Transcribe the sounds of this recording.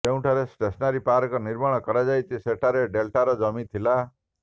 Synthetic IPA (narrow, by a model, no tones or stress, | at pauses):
t̪eũʈʰaɾesʈesnaɾipaɾɔkɔniɾmaɽ̃ɔkɔɾad͡ʒajt͡ʃʰiseʈʰaɾeɖelʈaɾɔd͡ʒɔmit̪ʰila